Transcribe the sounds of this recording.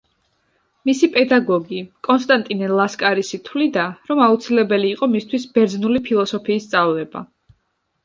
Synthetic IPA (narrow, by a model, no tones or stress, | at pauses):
misipʼɛd̪aɡɔɡikʼɔnst̪ʼant̪ʼinɛlˠaskʼaɾisit̪ʰwlid̪aɾɔmaut̪sʰilɛbɛliːqʼɔmist̪ʰwisbɛɾd̪znulipʰilˠɔsɔpʰiːst̪sʼavlɛba̰